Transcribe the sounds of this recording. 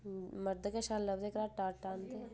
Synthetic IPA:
məɾd̪əkeʃaːlləbd̪ekɾaːʈaːɾʈãːnd̪e

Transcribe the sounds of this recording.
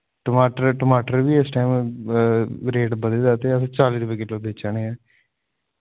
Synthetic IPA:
ʈəmaːʈəɾʈəmaːʈəɾʋiːɪsʈaːim | ɾeːʈbəd̪eːd̪aːt̪eəsãːt͡ʃaːliːɾʊbəɡeːloːbeːt͡ʃaːneɛː

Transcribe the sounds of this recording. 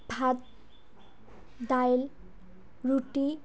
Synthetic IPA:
bʱat̪̚ | d̪ajl | ɾuʈi

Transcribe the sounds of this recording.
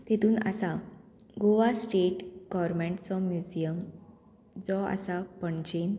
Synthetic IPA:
t̪et̪uːnə̰sa | ɡoʋasʈeʈɡ̥ɔɾmẽɳʈt͡sɔmjud͡ʑijəm | d͡zɔə̰sapəɳt͡ɕen

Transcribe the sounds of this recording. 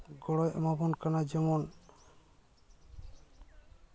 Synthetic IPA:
ɡɔɽɔjɔmabɔnkanad͡ʒɛmɔn

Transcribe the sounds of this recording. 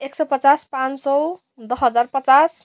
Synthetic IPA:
eksɔpət͡saspãnt͡ssɔ | d̪ʌɦʌd͡zarpʌt͡sas

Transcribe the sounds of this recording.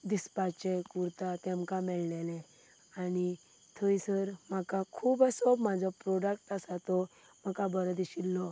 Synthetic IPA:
d̪ispat͡ɕɛkuɾt̪at̪ɛ̃mkamɛɭlɛlɛ̃ | ani | t̪ʰəisəɾmakakʰuːbasɔbmad͡zʱɔpɾɔɖəkʈasat̪ɔ | m̤akabəɾəd̪iɕilːɔ

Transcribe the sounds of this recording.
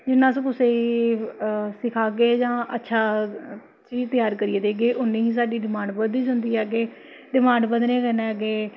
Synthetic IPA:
d͡ʒɪnːãːsũːkʊseː | sɪkʰaːɡeːd͡ʒãːʔətːʃʰaː | t͡ʃiːd͡ʒt̪əjaːɾkəɾieːd̪eːɡeːʔʊnːẽːɦĩːs̬aːɖiːɖɪmãːɳɖbəd̪iːsʊnd̪iːɦɛːɡeː | ɖɪmãːɳɖbəd̪nẽːkənɛːɡeː

